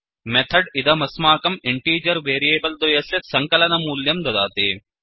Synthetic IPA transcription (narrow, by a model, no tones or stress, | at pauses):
met̪ʰɐɖid̪ɐmɐsmaːkɐmiɳʈiːd͡ʒɐɾʋeːɾieːbɐld̪ojɐsesɐŋkɐlɐnɐmuːljɐmd̪ɐd̪a̰ːt̪e